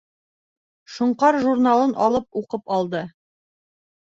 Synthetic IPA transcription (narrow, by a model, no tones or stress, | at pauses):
ʃŏɴqɑɾʒuɾnalˠɤnʔɑlˠɤp̚uqɤpɑlˠd̪ɤ